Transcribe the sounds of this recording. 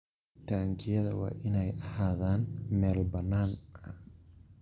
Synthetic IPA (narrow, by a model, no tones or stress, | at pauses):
t̪ʰaːɲt͡ʃɪjɐðɐwɑ̰ːʔɪnɛjʔɐhaːðaːnmɛːlbɐnːaːnʔɐ